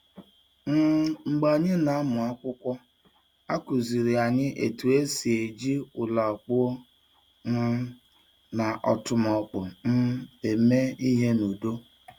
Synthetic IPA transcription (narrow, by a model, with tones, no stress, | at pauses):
n̩˦ŋ͡m̩˨ɡ͡ba˨ɲɪ˦na˨a˦mʊ˨a˦kʷʊ˦kʷɔ˦ | a˦kʊ˨zi˨ɾi˨a˨ɲɪ˦ʔe˨tu˨e˦si˨e˨d͡ʒi˦ʊ˨la˨k͡pʊ˦o˦ | n̩˦ | na˨ʔɔ˨tʊ˨mɔ˨k͡pʊ˨n̩˦e˨me˦i˦ɦe˦nu˨do˦